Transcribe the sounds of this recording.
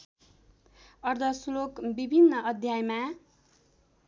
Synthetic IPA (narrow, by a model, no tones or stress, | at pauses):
ʌrd̪ʱʌsulokbibʱinːʌʌd̪ʱjajma